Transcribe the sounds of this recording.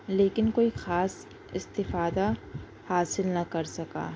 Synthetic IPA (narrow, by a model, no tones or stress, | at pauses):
leːkɪnkoːixaːs | ɪst̪ɪfaːd̪a | haːsɪlnɐkɐɾsɐka̰ː